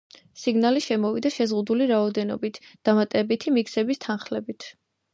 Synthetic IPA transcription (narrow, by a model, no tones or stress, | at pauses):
siɡnaliʃɛmɔvid̪aʃɛzʁud̪uliɾaɔd̪ɛnɔ̰bit̪ʰd̪̥amat̪ʼɛbit̪ʰimikʰsɛbist̪ʰanχlɛbit̪ʰ